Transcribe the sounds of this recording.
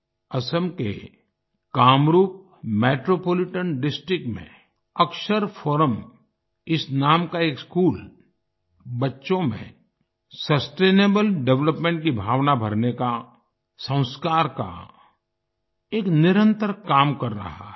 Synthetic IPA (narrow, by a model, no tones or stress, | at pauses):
ɐsəmkḛ | kaːmɾuːp̚ | meːʈɾoːpoːlɪʈənɖɪsʈɾɪk̚ʈmḛ̃ | əkʃəɾpʰɔːɾəm | ɪsnaːmkaeːkskuːl | bɐtːʃõmḛ̃ | sɐsʈeːneːbəlɖɛʋləpmẽːɳʈ̚kibʱaːʋnabʱəɾneka | sə̃w̃skaːɾka̰ | eːknɪɾə̃nt̪əɾkaːmkɐɾːɐ̰ɦa